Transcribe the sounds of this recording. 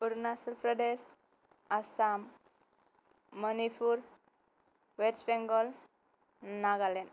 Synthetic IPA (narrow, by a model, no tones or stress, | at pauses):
puɾnasilfɾəɖes | asam | ənifʰuɾ | ʋeɾt͡ɕbeŋɡɔl | naɡalen